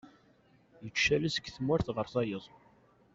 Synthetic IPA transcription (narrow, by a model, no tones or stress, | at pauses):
jət͡ʃːælisə̥ɡθəmʊɾθʁəɾθɑjəðˤ